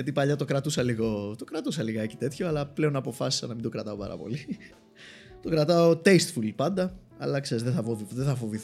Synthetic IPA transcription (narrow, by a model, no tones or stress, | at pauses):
ɐt̪ipɐʎɐt̪o̞kɾɐt̪usɐliɣo̞t̪o̞kɾɐt̪usɐliɣɐe̞ci̥t̪e̞t̪ço̞ɐlɐple̞onɐpo̞fɐsi̥sɐnɐmind̪o̞kɾɐt̪ɐo̞pɐ̰ɾɐ̰po̞̰li | t̪o̞kɾɐt̪ɐot̪e̞jst̪fulpɐnd̪ɐ | ɐ̰lɐkse̞ɾizðeθɐfoviðeθɐfo̞viθ